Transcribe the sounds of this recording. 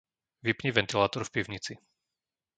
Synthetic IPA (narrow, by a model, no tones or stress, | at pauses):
ʋipɲiʋɛnt̪ilaːt̪ɔɾfpiʊɲit͡si